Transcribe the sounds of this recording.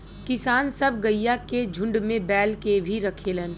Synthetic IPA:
kɪsaːnsɐbɡəjːaked͡ʒʱʊ̃ɳɖmẽbɛːlkebʱiɾɐkʰeːlən

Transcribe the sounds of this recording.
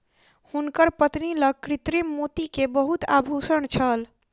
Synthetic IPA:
hunkəɾpət̪niləɡ̚kɾit̪ɾemːot̪ikebəɦut̪a̰bʱusəɳt͡ʃʰəl

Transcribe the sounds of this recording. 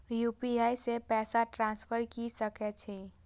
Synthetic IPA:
jupiajsepɛːsaʈɾãnspʰəɾkisəkɛt͡ʃʰɛ

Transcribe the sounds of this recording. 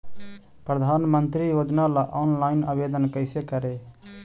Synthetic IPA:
pɾəd̪ʱaːnmənt̪ɾiːjoːd͡ʒnalaʔɔːnlaːɪnaːbeːd̪ənkəɪsekəɾeː

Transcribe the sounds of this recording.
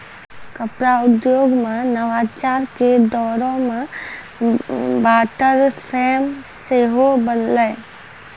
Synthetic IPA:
kəpɾaʊd̪joːɡmẽnəʋaːt͡ʃaːɾked̪ɔːɾõmẽ | baːʈəɾpʰeːmseːɦobənləe

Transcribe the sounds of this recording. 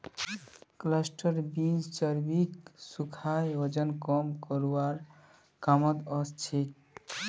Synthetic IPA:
klasʈɔɾbind͡ʒt͡ʃʌɾbiksukʰajod͡ʒɔnkɔmkɔɾuwaɾ | kamɔt̪ɔst̪ʰik

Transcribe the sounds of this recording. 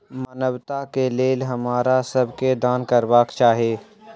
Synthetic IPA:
mɐnəbt̪akeleːlɦɐmaːɾasɐbked̪aːnkɐɾbaːkt͡ʃaːɦieː

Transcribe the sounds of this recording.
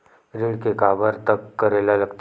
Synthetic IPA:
ɾiɽkekabəɾt̪əkːəɾelaləɡt̪

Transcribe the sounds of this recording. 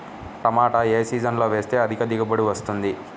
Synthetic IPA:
ɐmaːʈɐeːsiːd͡ʒɐnlo̞ːʋe̞ːst̪e̞ːɐd̪ikɐd̪iɡɐbɐɽiʋɐst̪und̪i

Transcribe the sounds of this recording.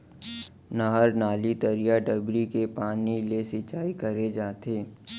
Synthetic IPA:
nɐɦəɾnaːlit̪ɐɾijaɖəbɾikepaːnilesɪt͡ʃaːikɐɾed͡ʒaːt̪eː

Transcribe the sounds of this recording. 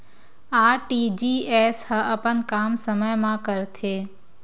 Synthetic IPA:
aːʈid͡ʒiːeːshaəpənkaːmsəməjmãkəɾt̪ʰeː

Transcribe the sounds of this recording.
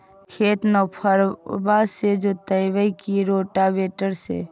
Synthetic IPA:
kʰeːt̪nɔpʰəɾbaːsed͡ʒot̪əjʋəikiɾoːʈabeːʈəɾsḛ

